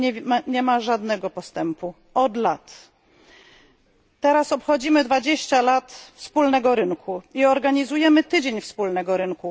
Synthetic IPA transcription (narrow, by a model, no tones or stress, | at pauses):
ɲɛmaʐad̪nɛɡɔpɔst̪ɛmpu | ɔd̪lat̪ | ɛɾasɔpxɔd͡ʑimɘd̪vad͡ʑeɕt͡ɕalat̪fspulnɛɡɔɾɘŋkʰuiɔɾɡaɲizujɛmɘt̪ɘd͡ʑeɲfspulnɛɡɔɾɘŋku